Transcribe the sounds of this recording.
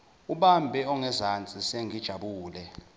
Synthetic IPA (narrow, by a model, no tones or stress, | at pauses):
uɓambʱɛɔŋɛzant͡sʼiseŋid̥ʒ̥ʱaɓuːlɛ